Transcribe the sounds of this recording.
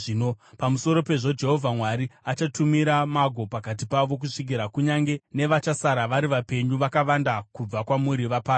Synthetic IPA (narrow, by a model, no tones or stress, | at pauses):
inopamuso̞ɾo̞pe̞ʐo̞d͡ʒe̞ɦo̞vʱamwaɾiat͡ʃatumiɾamaɡʱo̞pakat̬ipaʋo̞k̬uʂik̬iɾakuɲaŋɡe̞ne̞ʋat͡ʃasaɾaʋaɾiʋape̞ɲuʋakaʋandakub͡vakwamuɾiʋapaː